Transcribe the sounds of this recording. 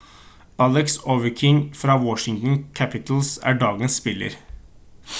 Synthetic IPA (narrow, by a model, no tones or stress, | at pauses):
ʔɑlɛksoʋəkʰɪŋfɾɑːwɔʃɪŋt̪n̩kʰæpɪt̪l̩sæ̰ːɖɑːɡənsːpɪlə̰ɾ